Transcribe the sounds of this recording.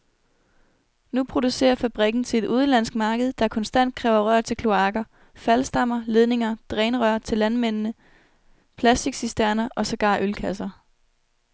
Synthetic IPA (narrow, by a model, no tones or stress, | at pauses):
nupʰʁo̝d̥use̝̰ːɐfæb̥ʁiɡ̥n̩t͡sʰe̝le̝d̥ʔuð̞ˠn̩læn̰sɡ̥̚mɑ̈ːɡ̥əð̞̩ˠd̥ɑ̈æɐkʰɒ̽nsd̥æn̰d̥̚kʰʁɛʊɐʁɶɐ̰t͡sʰe̝kʰlo̝ɑ̈ːɡ̥ɐ | fælsd̥ɑ̈m̰ɐle̝ð̞ˠne̝ŋɐd̥ʁɛːnəʁœɐ̰t͡sʰe̝lːænmen̰nə | pʰlæsd̥iɡ̥sisd̥æɐnɐʔɒ̽sæɡ̥ɑ̰̈ːʔølkʰæsɐ